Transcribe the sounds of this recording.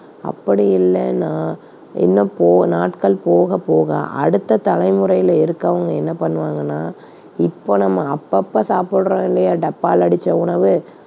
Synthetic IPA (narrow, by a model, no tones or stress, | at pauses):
ɐ̰pːɐɽɪjɪlːɛnãː | ɛ̰nːɐ̃poːnaːʈkɐɭpoːɣɐpoːɣɐ̰ʔɐ̰ɽɯt̪ːɐt̪ɐlɐɪmɯɾɐjɪlɐɪɾɯkːɐʋɐŋɡɐɛnːɐpɐɳːɯʋaːŋɡɐnːaː | ɪpːoːnɐmːɐːpːɐpːasaːpɪɽɯɾõːɪɳlɐjaɖɐpːaːlɐɽɪt͡ʃːɐʊɳɐʋɯ